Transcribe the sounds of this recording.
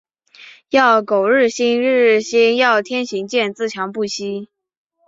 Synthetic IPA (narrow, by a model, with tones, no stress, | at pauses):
jɑ˥˩ʊko˨˩ʊɻɻ̩˥˩ɕi˥ŋɻɻ̩˥˩ɕi˥ŋjɑ˥˩ʊt̪ʰjɛ˥nɕi˧˥ŋt͡ɕjɛ˥˧nt͡sɹ̩˥˩t͡ɕʰjɑ˧˥ŋpu˥˩ɕi˥